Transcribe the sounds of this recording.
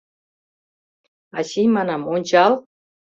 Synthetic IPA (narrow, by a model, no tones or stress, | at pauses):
ɑ̰ɕijmɑnɑmonʲt͡ɕɑlˠ